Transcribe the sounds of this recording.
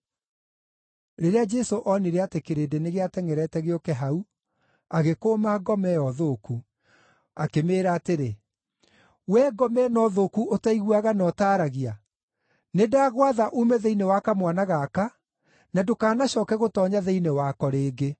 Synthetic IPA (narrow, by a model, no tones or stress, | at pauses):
ɾeɾead͡ʒɛsoʔɔneɾɛatekeɾedeneɣeatɛŋɛɾɛtɛɣeɔkɛɦau | aɣekoːmaɡɔmɛjɔðoːku | akemeːɾaːteɾe | wɛɡɔmɛnɔðokuotaiɣwaɣanɔtaːɾaɣia | nedaːɣwaðaʔumɛðeinewakamwanaɣaka | nadokaːnaɕɔːkɛɣotɔːɲaðeinewakɔɾeːɡe